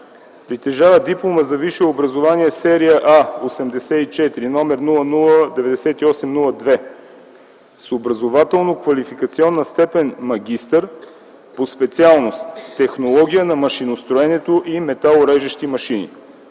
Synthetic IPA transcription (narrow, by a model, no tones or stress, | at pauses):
pɾit̪ɛʒavəd̪iplˠoməzɐviʃɛobɾɐzovaniɛsɛɾiəʔaosɛmd̪ɛsɛit͡ʃɛt̪iɾinɔmɛɾnulˠənulˠəd̪ɛvɛd̪ɛsɛt̪iɔsɛmnulˠəd̪vɛ | sobɾɐzovat̪ɛlˠnokvɐlifikɐt̪siɔnːəst̪ɛpɛnmɐɡ̟ʲist̪əɾ | pospɛt̪sialˠnost̪ːɛxnolˠɔɡ̟ʲijənɐmɐʃinost̪ɾoɛnɛt̪oʔimɛt̪alˠoɾɛʒiʃt̪imɐʃinḭ